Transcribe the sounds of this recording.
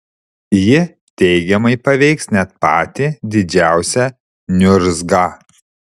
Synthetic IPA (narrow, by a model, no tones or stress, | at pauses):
jɪ | t̪ʲɛɪɡʲɛmɐɪpɐʋʲɛɪksnʲɛt̪̚pɑːt̪ʲɪd̪ʲɪd͡ʒʲæˑʊsʲɛ | nʲʊɾzɡɑ